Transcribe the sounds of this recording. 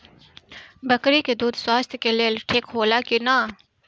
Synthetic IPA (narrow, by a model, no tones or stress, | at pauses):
bəkɾiked̪uːd̪swaːst̪ʰjkeleːlʈʰeːkɦoːlakinaː